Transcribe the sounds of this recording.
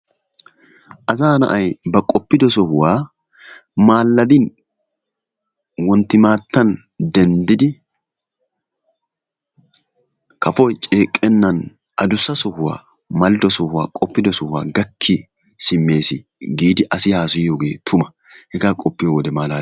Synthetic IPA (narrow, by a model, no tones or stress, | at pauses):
ʔɐzaːnɐ̰ʔɐjbɐkʼɔpːɪd̪ɔsɔhʊwaː | maːlːɐd̪ɪn | wɔnt̪ːɪmaːt̪ːɐn | d̪ɛnd̪ɪd̪ɪ | kɐfɔjt͡ʃʼeːkʼːɛnːɐn | ʔɐd̪ʊsːɐsɔhʊwa̰ː | mɐld̪ɔsɔhʊwa̰ːkʼɔpːɪd̪ɔsɔhʊwa̰ːɡɐkʰːɪ | sɪmːe̞ːsɪ | ɡiːd̪ɪʔɐsɪhaːsʊjoːɡe̞ːt̪ʰʊmɐ̥ | hɛɡaːkʼɔpːɪjowɔd̪ɛmaːlaː